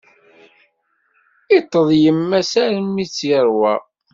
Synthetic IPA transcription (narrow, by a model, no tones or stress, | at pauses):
it̪ˤːəðˤjəmːæsæɾmit͡sːjəɾˤwæ